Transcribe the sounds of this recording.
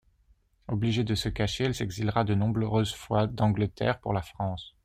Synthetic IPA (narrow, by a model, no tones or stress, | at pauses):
ɔbliʒed̪əsəkaʃeɛlsɛɡzilʁad̪ənɔ̃bʁʁøzfwad̪ɑ̃ɡlət̪ɛ̰ːʁpṵʁlafχɑ̃s